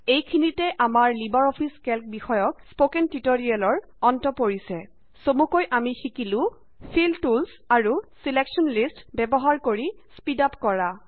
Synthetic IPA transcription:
ejkʰinitɛʔamaɹlibaɹɔpʰiskɛlk̚bixɔjɔk̚spokɛntitoɹialɔɹ | ɔntɔpoɹisɛ | somukojʔamixikilʊ̃ | pʰiltuls | aɹusileksɔnlistbɛbɔɦaɹkoɹispidapkɔɹa

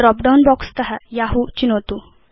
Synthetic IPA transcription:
ɾɔk̚ɖaunbɔkst̪əɦajaɦut͡ɕinot̪u

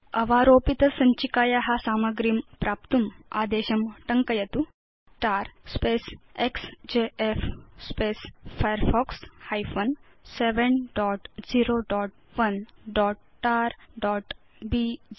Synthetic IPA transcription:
ɐʋaːɾoːpit̪ɐsɐɲt͡ɕikaːjaɦasaːmɐɡɾimpɾaːp̚t̪umaːd̪eːɕɐmʈɐŋkɐjɐt̪u | ʈaːɾspeːseksd͡ʑeefspeːsfajəɾfɔːkshajfon | seʋenɖɔːʈd͡ziːɾoɖɔːʈ̚ | ʋɐnɖɔːʈ | ʈaːɾɖɔːʈ | bi

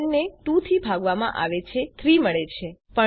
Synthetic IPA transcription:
nːeʈũt̪ʰibʱaɡʋamã̰ʔa̰ʋet͡ʃʰet̪ʰɾiməɭet͡ʃʰepə

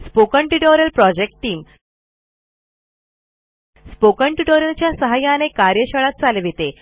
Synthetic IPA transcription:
spokəɳʈiʈoɾjəlpɾɔd͡ʑek̚ʈʈːiːm | spokəɳʈiʈoɾjəlt͡ɕjasəɦajanekaɾjəɕəɭ̃at̪̚t͡salʋit̪e

